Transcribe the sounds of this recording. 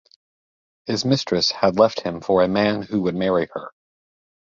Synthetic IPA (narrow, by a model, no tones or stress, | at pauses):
hɨzmɪstɹ̥ɨshɨdˡlɛft̚hɨ̃ɱfə˞ɨmæ̃nhuwɨd̚mɛɹiə˞